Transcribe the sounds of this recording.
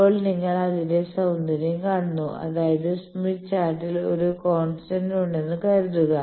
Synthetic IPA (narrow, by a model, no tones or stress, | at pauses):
o̞ːɭniŋːɐɭɐðinde̞sɐwnd̪ɐɾjɐmkaːɳunːuʔɐ̰ðaːjɐðɨsmiʈt͡ɕaːɾʈːilo̞̰ɾukoːɳsʈɐnuɳɖe̞nːɨkɐjɾut̪ːuɣɐ